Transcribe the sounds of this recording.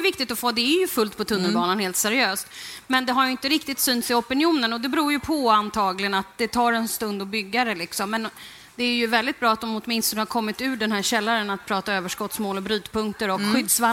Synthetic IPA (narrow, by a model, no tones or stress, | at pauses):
vɪk̚t̪ɪt̪ɔfoːd̪ɛæɾjɵfɵlt̪̚pʰɔt̪ʰɵnːəlbɑːnanheːlt̪sæɾɪøːst̪mɛnd̪ɛɦaɾjɵɪnt̪əɾɪk̚t̪ɪt̪syːnt̪sɪɔpɪnɪuːnənɔd̪ɛbɾuːɾjɵpʰɔant̪ʰɑːɡlɪɡənat̪̚d̪ɛt̪ʰɑːɾɛnst̪ɵnd̪ɔbʏɡːaɾəlɪksɔmːɛn | d̪ɛæɾjɵvɛld̪ɪt̪̚bɾɑːat̪̚d̪ɔmʊt̪mɪnst̪ɔnəhaɾkʰɔmːɪt̪ʉ̟ːɖɛnɦæːɾɕɛlːaɾənat̪̚pʰɾɑːt̪aøːvəʂkɔt̪smoːlɔbɾyːd̪pɵŋkt̪əɾɔkɧʏd̪sva